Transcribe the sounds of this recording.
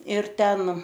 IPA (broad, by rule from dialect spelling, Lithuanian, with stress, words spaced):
ɪr ˈtʲɛn